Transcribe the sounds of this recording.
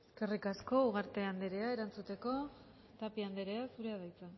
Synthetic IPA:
eske̞rikasko̞uɣ̞aɾt̪e̞and̪e̞ɾe̞ae̞ɾant͡sut̪e̞ko̞ | t̪apiand̪e̞ɾe̞asuɾe̞aðajt͡sen

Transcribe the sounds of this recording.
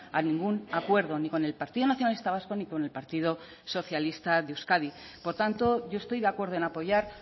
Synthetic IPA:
anĩŋɡunakwe̞ɾð̞o̞niko̞ne̞lpaɾt̪iðo̞naθjonalist̪aβasko̞niko̞ne̞lpaɾt̪ið̞o̞ | so̞θjalist̪aðeuwskaðipo̞ɾt̪ant̪o̞ʝo̞e̞st̪o̞jðeakwe̞ɾðoe̞napo̞ʝaɾ

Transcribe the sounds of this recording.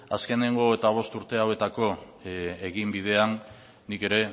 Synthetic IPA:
a̰ske̞ne̞ŋɡo̞et̪aβ̞o̞st̪uɾt̪e̞awe̞t̪ako̞ | eɣimbið̞e̞anː | ike̞ɾe̞

